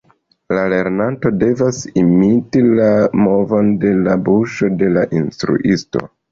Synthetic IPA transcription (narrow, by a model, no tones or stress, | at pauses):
lale̞ɾnanto̞de̞vasimitilamo̞vo̞nde̞labuʃo̞de̞laʔinstɾṵʔisto̞̰